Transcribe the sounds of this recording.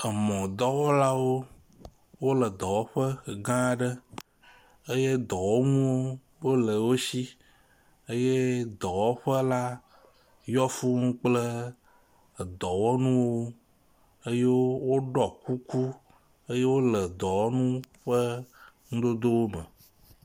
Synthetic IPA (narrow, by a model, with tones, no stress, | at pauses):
ə˨mɔ̃˨d̪ɔ˦wɔ˦la˦wo˦ | wo˦lə˨d̪ɔ˨wɔ˦ɸə˦˨ɡã˦˨ɖə˦ | ə˦je˦d̪ɔ˨wɔ˦ŋũ˦wo˦ | wo˦lə˨wo˦si˦ | ə˦je˦d̪ɔ˨wɔ˦ɸə˦la˦ | jɔ˦fu˦ŋũ˦k͡plə˦˨ | d̪ɔ˨wɔ˦nũ˦wo˦ | ə˦je˦wo˦wo˦ɖɔ˨ku˦ku˦ | ə˦je˦wo˦lə˨d̪ɔ˨wɔ˦nũ˦ɸə˦ŋũ˦d̪o˦d̪o˦wo˦mə̰̃˨